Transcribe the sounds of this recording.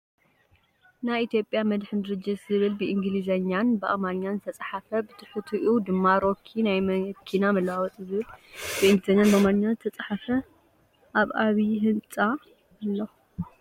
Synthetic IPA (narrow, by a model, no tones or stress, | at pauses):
najit̪ʰjo̞pʼjamɐd̪ħɨnd̪ɨɾɨd͡ʒɐzɨβɨlbɨʔiŋɡɨlizɐɲːanbɨʔamanɲːanzɨt̪ʰɐt͡sʼħafɐbɨt̪ʰʼɨ̥ħut̪ʰuʔud̪ɨmːaɾo̞kʰːinajmɐkʰːinamɐlwawɔt̪ʼɨzɨβɨlb̥ɨinɡɨzɐɲanbɐamanɲːanzɨt̪ʰɐt͡sʼħafɐ | ʔaβʔaβiɦɨnt͡sʼaː | lːo